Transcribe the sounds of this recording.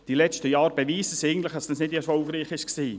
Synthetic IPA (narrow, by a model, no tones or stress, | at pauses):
d̥ilɛt͡ʃtəjɑːɾbeviːsəsɛɪɡn̩tlɪχd̥ɑsd̥ɑsnɪdɛɾfɔlɡɾiːχɪʃksiː